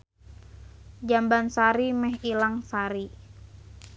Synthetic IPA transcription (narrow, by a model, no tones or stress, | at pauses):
d͡ʒambansaɾimɛɦilaŋsaɾi